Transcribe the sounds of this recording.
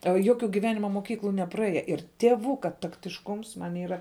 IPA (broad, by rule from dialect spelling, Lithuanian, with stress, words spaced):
ɐ ˈjoːˌkʲʊ ɡʲɪˈʋʲæːnʲɪmɐ moːˈkʲiːklˠʊ nʲɛprɐˈeːjɛ ɪr tʲiɛˈʋʊkɐ tɐktʲɪʃˈkʊms ˈmɐnʲ ˈiːrɐ